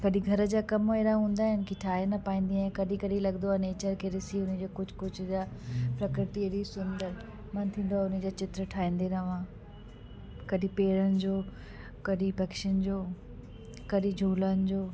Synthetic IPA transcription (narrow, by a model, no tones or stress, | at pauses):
kɐɗĩɡʱɐɾə̆d͡ʑaːkɐmeːɾaɦũːn̆d̪aːɦɪnɪkiʈʰaːɦenɐpaːĩːn̆d̪iãkɐɗĩkɐɗĩlɐɠnd̪oaneːt͡ɕəɾkʰeːɾɪsiʊnəd͡ʑoːkʊd͡ʑʱkʊd͡ʑʱd͡ʑaːpɾɐkɾɪt̪ieɗisʊ̃nd̪əɾ | mɐnt̪ʰĩːnd̪oaʊnəd͡ʑaːt͡ɕɪt̪ɾəʈʰaːĩːn̆d̪eɾɐʋãː | kɐɗĩpeːɾənɪ̆d͡ʑoː | kɐɗĩbʱɐkʃənd͡ʑoː | kɐɗĩd͡ʑʱuːlənɪ̆d͡ʑoː